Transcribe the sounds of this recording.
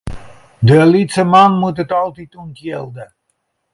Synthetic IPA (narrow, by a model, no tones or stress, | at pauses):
dəlitsəmanmutətɑlˠtituntjelˠdə